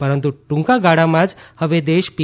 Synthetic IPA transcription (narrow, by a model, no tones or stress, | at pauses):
pəɾənt̪uʈũŋkaɡaɽamãd͡ʒhəʋed̪eʃpi